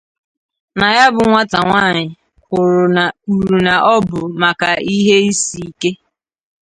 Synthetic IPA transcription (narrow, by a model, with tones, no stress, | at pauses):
na˨ja˦bʊ˨ŋʷa˦ta˨ŋʷaː˦˨ɲɪ˨ | kʷʊ˨ɾʊ˨u˨ɾu˨na˨ʔɔ˦bʊ˨ma˨ka˨ʔi˦ɦe˦i˦si˨i˦ke˦